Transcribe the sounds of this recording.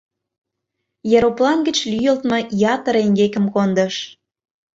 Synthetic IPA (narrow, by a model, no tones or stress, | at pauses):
jɑɾoplɑnɡə̆t͡ɕlyjə̆lt̪mɤ̆jɑt̪ə̆ɾeŋɡekə̆mkond̪ə̆ʃ